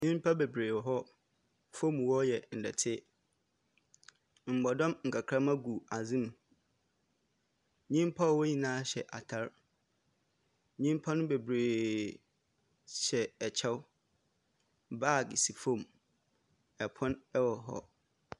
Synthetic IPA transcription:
ɲĩ˦m˦pʰa˦be˨bɾeː˨wɦɔ˦ | fõ˦˨m˨wɔ˦jɛ˨n̩˨dɛ˨tʰɪ˦ | m̩˨ɡ͡bɔ˨dɔ̃˦mŋ̩˨kʰa˨kʰɾã˦mã˦ɡu˨a˨zĩ˦m̃˨ | ɲĩ˦m˦pʰa˦˨wo˦ɲĩ˨nãː˦ɕɛ̰˨ʔa˨tʰa˦ɾ | ɲĩ˦m˦pʰa˦nʊ̃˦be˨bɾeː˨ | ɕɛ˨ɛ˨t͡ɕʰɛ˦w | ba˦˨ɡsi˨fõ˦˨m | ɛ˨pʰɔ̃˦nɛ˦wɔ˨ɦɔ̰˦

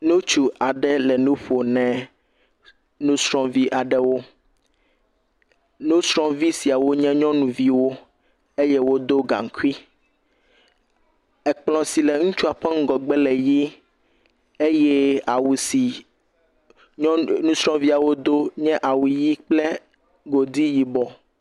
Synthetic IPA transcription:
no˦t͡ʃu˦a˨ɖɛ˦lɛ˨nũ˦ɸo˨nɛ̃˨ | nũ˦sɾɔ̃˦vi˦ʔa˨ɖɛ˦wo˦ | no˦sɾɔ̃˦vi˦si˨a˨wo˦ɲɛ̃˦ɲɔ̃˦nũ˨vi˦wo˦ | e˦je˦wo˦d̪o˦ɡã̰˨ŋ˨ku˦i˦ | ɛ˨k͡plɔ̃˨si˨lɛ˨ŋũ˦t͡ʃu˦a˨ɸɛ˦ŋ̩˦ɡɔ˨ɡ͡bɛ˦lɛ˨ji˦ | e˦jɛ˦a˨wu˨si˨ | ɔ̃˦nũ˦sɾɔ̃˦vi˦a˨wo˦d̪o˦ɲɛ̃˦ʔa˨wu˨ji˦k͡plɛ˦ | ɡo˨d̪i˦ji˨bɔ˨

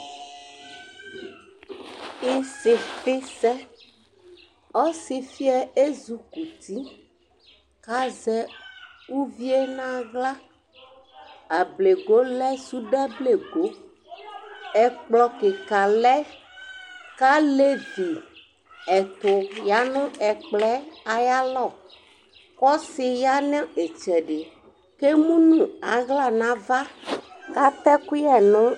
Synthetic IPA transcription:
i˦se˨fe˦sɛ˦ | ɔ˦si˦fi˦ɛ˦e˦zu˨ku˨t̪i˦ | ka˦zɛ˦u˦vi˦e˦nã˦ɣla˦ | a˨ble˨ɡo˦lɛ˦su˦ɖɛ˦ble˨ɡo˦ | ɛ˨k͡plɔ˨ke˨ka˨lɛ˦ | ka˦le˦vi˨ | ɛ˨t̪ʊ˨ja˦nɔ̃˦ɛ˨k͡plɛ˦a˨ja˦lɔ˦˨ | kɔ˦se˨ja˦nɛ̃˦e˨t͡ʃɛ˨ɖe˨ | ke˦mũ˦nũ˨a˨ɣla˦˨nã˦va˦ka˦t̪ɛ˦ku˦jɛ˨nɔ̃˦

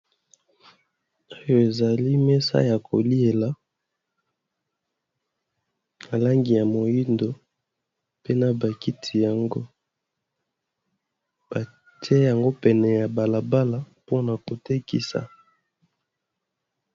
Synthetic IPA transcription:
o˦jo˨e˨za˨li˦mɛ˦sa̰˦ja˨ko̰˨li˦e˨la˨˦ | na˨la˦ŋɡi˨ja˨mo˨ji˦ndo˨ | pe˦na˨ba˨ki˦tʰi˨ja˨ŋɡo˦ | b̥a˨ | ti˦e˦ja˨ŋɡo˦pɛ˨nɛ˨ja˨ba˨la˨ba˦la˨po˦na˨ko˨te˦kḭ˨sa̰˨

